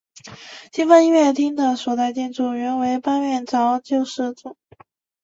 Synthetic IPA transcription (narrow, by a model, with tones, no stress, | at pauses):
t͡ɕi˥˧fə˥ni˥˧ɥɛ˥˩t̪ʰi˥ŋd̪ə˨swɔ˨˩t͡sa˥˧ɪt͡ɕ̪jɛ˥˧nʈ͡ʂu˥˩ɥɛ˧˥nwe˧˥ɪpa˥nɥɛ˥˩nʈ͡ʂɑ˧˥ʊt͡ɕjo˥˧ʊʂɻ̩˥˧ʈ͡ʂʊ˥˩ŋ